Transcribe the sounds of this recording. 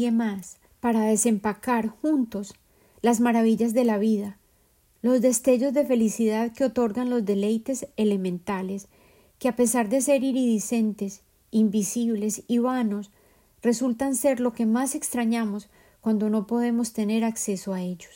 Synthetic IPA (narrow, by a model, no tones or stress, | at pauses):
emas | paɾaðe̞se̞mpakaɾxunt̪o̞s | lazmaɾaβiʎazd̪e̞laβiða | lo̞zd̪e̞st̪e̞ʝo̞zd̪e̞fe̞lisiðaðkeo̞t̪o̞ɾɡanlo̞zd̪e̞le̞jt̪e̞se̞le̞mẽ̞nt̪ale̞s | keape̞saɾd̪e̞se̞ɾiɾiðise̞nt̪e̞s | imbisiβle̞siβano̞s | re̞sult̪anse̞ɾlo̞ke̞mase̞kst̪ɾaɲamo̞s | kwand̪o̞no̞po̞ð̞e̞mo̞st̪e̞ne̞ɾakse̞so̞ae̞ʝos